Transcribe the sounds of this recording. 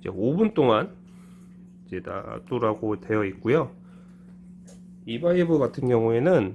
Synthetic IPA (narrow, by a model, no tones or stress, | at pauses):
d͡ʑe̞̰obunt͈oŋan | id͡ʑe̞ta̰t͈oɾaɡote̞jʌit̚k͈ujo | ibaibuɡatʰɯnɡjʌŋue̞nɯn